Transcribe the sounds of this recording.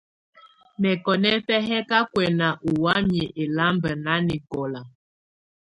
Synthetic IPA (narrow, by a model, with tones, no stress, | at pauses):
mɛ˨kɔ˨nɛ˦fɛ˦ɦɛ˦ka˦kwɛ˨na˨ʔu˨wa˦mje˨ʔe˨la˦mbə˨na˦ni˨kɔ˨la˨